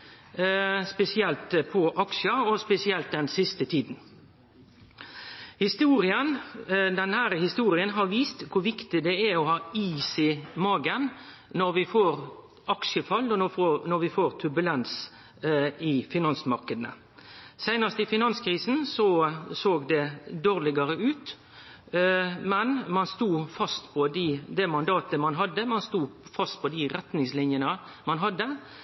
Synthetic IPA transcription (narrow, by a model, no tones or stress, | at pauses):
spɛsɪɛlt̪pʰɔʔɑkʃəɔspɛsɪɛlt̪̚d̪ɛnsɪst̪ət̪ʰiːd̪n | hɪst̪uːɾɪənd̪ɛnhæːɾəhɪst̪uːɾɪənɦɑɾʋiːst̪kʰʊɾʋɪkt̪ɪd̪ɛæɔhɑːiːsɪmɑːɡən | nɔɾʋɪfoːɾ | ʔɑkʃəfɑlːɔnɔʋɪfoːɾt̪ʰʉbʉlɛns | ɪfɪnɑnsmɑɾkəd̪n̩ə̰ | sæɪnəst̪ɪfɪnɑnskʰɾiːsn̩sɔsoːɡd̪ɛd̪oːʁlɪɡɑɾəʉːt̪ | mɛnmɑnst̪uːfɑst̪pʰɔd̪ɪd̪ɛmɑnd̪ɑːt̪əmɑnɦɑd̪ːəmɑnst̪uːfɑst̪̚pʰɔd̪ɪʁɛt̪nɪŋslɪnjənə | mɑnɦɑd̪ːə